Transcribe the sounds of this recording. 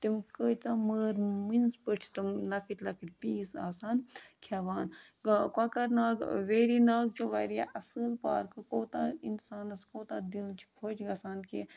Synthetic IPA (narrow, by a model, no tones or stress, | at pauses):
t̪imkəːt͡saməːɾminzpəʈʰit̪ɨmlɐkiʈʲlɐkʰiʈʲpiːsa̰ːsaːnkʰɐʋaːn | kwakɐɾnaːɡʋeːɾinaːɡ̚t͡ʃiʋɐ̰ɾja̰ʔɐsəlpa̰ːɾkɨkoːt̪ainsaːnɐskoːt̪aːd̪ilt͡ʃʰi̥kʰoːt͡ʃɡɐsaːnkḭ